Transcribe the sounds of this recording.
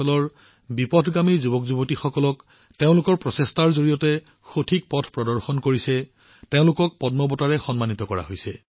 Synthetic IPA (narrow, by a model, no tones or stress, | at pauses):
ɔlɔɹ | bipɔdʰʱɡamizubɔkzubotixɔkɔlɔk | teʊ̃lʊkɔɹpɹɔsestaɹzoɹijɔtɛ | xotʰik̚pɔtʰpɹɔdɔɹxɔnkoɹisɛ | teʊ̃lʊkɔk̚pɔdmɔbɔtaɹɛxɔnmanitɔkɔɹa̰ɦojsɛ̰